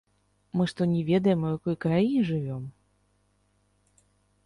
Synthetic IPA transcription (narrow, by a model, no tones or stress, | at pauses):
mɨʂt̪ɔnʲɛvʲɛd̪ɐjɛmujakɔjkɾajinʲɛʐɨvʲɔm